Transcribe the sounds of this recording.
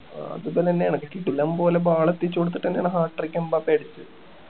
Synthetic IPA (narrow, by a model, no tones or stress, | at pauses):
ɐ̰ðɨpoːleenːejaːɳɨkɐsiʈːulːɐːmpo̞ːlebaːɭɐt̪ːit͡ɕːoɽut̪ːi̥ʈːenːejaːɳɨɦaːʈːɐrikʲːɐmbaːpːeɽit͡ɕːɨ